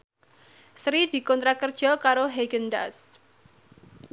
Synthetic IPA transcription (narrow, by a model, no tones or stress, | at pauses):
sɾid̪̥i̤kɔnt̪ɾakərd̥ʒ̥ɔ̤kaɾoɦeɡənd̪as